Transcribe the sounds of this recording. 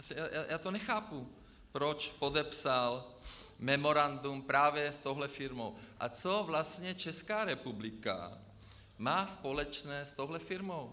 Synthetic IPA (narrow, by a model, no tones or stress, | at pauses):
asjaːjaːjaːt̪onɛxaːpu | pɾot͡ʃpod̪ɛpsalmɛmoɾand̪umpɾaːvjɛst̪owɦlɛfiɾmowʔa̰t͡sovlast̪ɲɛt͡ʃɛskaːɾɛpublika̰ | maːspolɛt͡ʃnɛːst̪owɦlɛfiɾmow